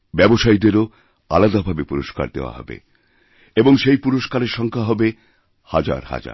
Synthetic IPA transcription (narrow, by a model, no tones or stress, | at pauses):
bɛboʃajd̪eɾo | a̰lad̪abʱabepuɾoʃka̰ɾd̪ḛoa̰ɦɔ̰bḛ | eboŋʃejpuɾoʃkaɾeɾʃɔŋkʰaɦɔbe | had͡ʑa̰ɾha̰d͡ʑa̰ɾ